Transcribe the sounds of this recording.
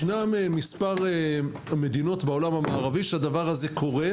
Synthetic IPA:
namemispaʁe | me̞d̪ino̞tbaolamhamaːʁaviʃead̪avaʁaze̞kʰo̞ʁe̞

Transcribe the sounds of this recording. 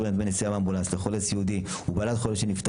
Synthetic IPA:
benad̪menesiavambulansleχolesjeud̪i | ubalat̪χoleʃenift̪

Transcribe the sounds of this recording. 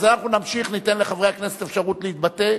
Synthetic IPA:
zeanaχunamʃiχnit̪e̞nleχaveakne̞set̪efʃaʁutleit̪̚bat̪e

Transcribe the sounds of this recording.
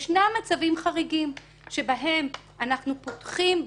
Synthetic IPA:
ʃnamːat͡savimχaʁiɡim | ʃe̞baɦe̞m | anaχnupotχim

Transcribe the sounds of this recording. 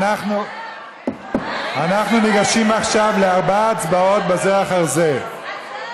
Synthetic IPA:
aχnu | anaχnuniɡaʃimaχʃavle̞aʁbaːt͡sbao̞t̪̚bezeaχaʁze̞

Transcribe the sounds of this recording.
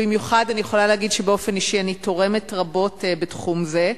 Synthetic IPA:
bimjuχadanijeχo̞laleːɡidʃebeo̞fe̞niʃianito̞ʁe̞metʁabo̞tbetχumze

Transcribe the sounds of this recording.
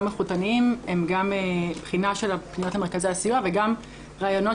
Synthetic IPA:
maχutaniimemɡamebχinaʃe̞lapninot̪hame̞ʁkazejasijuaveɡam | ʁaːjo̞no̞

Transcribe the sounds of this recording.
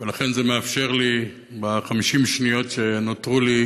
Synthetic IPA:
velaχenzemeafʃe̞ʁli | baχamiʃimʃnijo̞tʃenotʁuli

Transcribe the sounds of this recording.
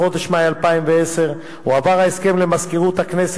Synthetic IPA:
o̞d̪eʃmeaalpaimveese̞ʁ | uavaʁaeske̞mlemaskeʁut̪hakne̞s

